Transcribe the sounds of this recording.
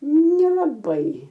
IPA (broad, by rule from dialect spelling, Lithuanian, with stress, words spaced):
nʲɛlˠɐˈbɐɪ